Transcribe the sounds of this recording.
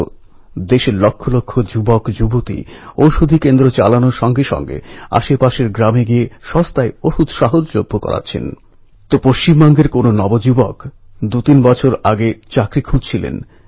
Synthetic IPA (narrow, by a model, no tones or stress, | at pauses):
d̪eʃeɾlokʰːolokʰːod͡ʑubokd͡ʑubot̪ḭowʃud̪ʱikend̪ɾot͡ɕa̰lanoɾʃɔŋɡeʃɔ̰ŋɡḛa̰ʃepaʃeɾɡɾameɡieʃɔst̪aeoʃud̪ʱʃaɦod͡ʑlobʱːokɔ̰ɾa̰tːɕʰḛn | t̪opoʃt͡ɕimbɔŋɡeɾkononɔbod͡ʑubok | d̪ut̪inbɔt͡ɕʰoɾaɡet͡ɕakɾikʰud͡ʑt͡ɕʰilḛn